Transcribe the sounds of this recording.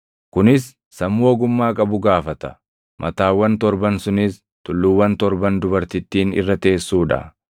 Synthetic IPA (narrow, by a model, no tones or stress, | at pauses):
kʊnɪsː | ɐmːoːɡʊmːaːkʼɐbʊɡaːfɐt̪ɐ̥ | mʔɐt̪aːwːɐnt̪ɔɾbɐnsʊnɪs | t̪ʊlːʊwːɐnt̪ɔɾbɐnd̪ʊbɐɾt̪ɪt̪ːiːnɪ̰rːɐt̪e̞ːsːuːᶑɐ̰